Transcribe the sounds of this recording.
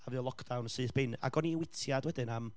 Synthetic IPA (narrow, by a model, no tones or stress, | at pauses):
avɨəlˠɔkʰd̥awnsɨːθb̥ɪna̰ɡɔniwɪtʰjadwɛdɨnam